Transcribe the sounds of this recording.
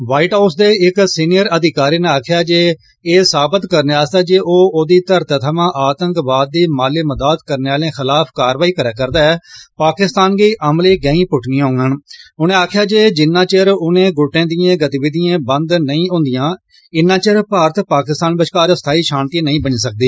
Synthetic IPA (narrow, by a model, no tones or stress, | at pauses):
ʋaːiːʈaːsd̪eːɪksiːnɪjəɾəd̪ɪkaːɾiːnẽaːkʰjaːd͡ʒeː | eːsaːbət̪kəɾneːaːsd̪aːd͡ʒeːʔoːoːd̪iːt̪əɾt̪t̪ʰəmãːʔaːt̪ə̃ŋkbaːd̪̚ːiːmaːleːməd̪aːt̪kəɾneːaːlẽːxʰɪlaːpʰkaːɾʋaːiːkəɾaːkəɾd̪aːɛːpaːkɪst̪aːnɡiːʔəmleːɡəĩːpʊʈʰnĩːãɦõːŋɡənʊnẽːaːkʰjaːd͡ʒeːd͡ʒɪnːãːt͡ʃəɾʊnẽːɡʊʈːẽːd̪ɪjãːɡət̪iːbɪd̪ijãːbə̃nd̪nəĩːɦõːnd̪ɪjãː | ɪnːãːt͡ʃəɾpaːɾət̪paːkɪst̪aːnbəʃkaːɾst̪ʰaːiːʃaːnt̪iːnəĩːbəɲːsək̚d̪iː